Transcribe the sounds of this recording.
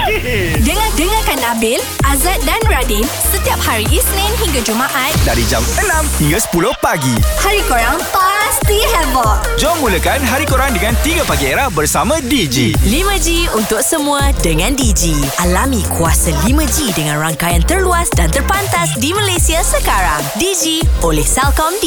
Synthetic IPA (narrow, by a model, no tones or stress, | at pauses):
dəŋãdəŋãkanabɪl | ʔazat̪̚danradin | sət̪iap̚haɾiʔisnɛ̃nɦiŋɡad͡ʒumaʔat̪̚daɾid͡ʒamənãmhiŋɡasə̥pulʊhpaɡihaɾikoɾaŋpast̪iɦɛbɔʔd͡ʒɔmːuləkanɦaɾikoɾaŋdəŋãnt̪iɡapaɡieɾahbərsamãdid͡ʒḭlimə̃d͡ʒiunt̪ʊk̚səmũãdəŋãndid͡ʒiʔalamĩkʰuasalimə̃d͡ʒidəŋãnraŋkajant̪ərluasdant̪ərpant̪asdimalajsiasəkaɾaŋdid͡ʒiʔolɛhsalkɔmdi